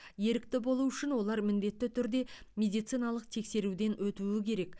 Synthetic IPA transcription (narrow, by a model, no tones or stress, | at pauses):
je̞ɾɪk̚t̪ɪbo̞lˠuʏʃɪnwo̞lˠɑɾmɪnd̪e̞t̪ːɪt̪ʰʏɾd̪e̞mʲe̞d̪ijt̪sɨjnɑlˠəq̚t̪ʰe̞kse̞ɾud̪e̞nwɵt̪uɪkʲʰe̞ɾe̞k